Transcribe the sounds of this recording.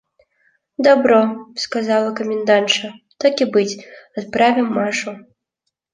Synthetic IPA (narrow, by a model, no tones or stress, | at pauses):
d̪abɾɔskazalˠɐkɐmʲɪnd̪ant̪t͡ʂɐt̪akʲibɨt͡sʲat̪̚pɾavʲɛmːaʂu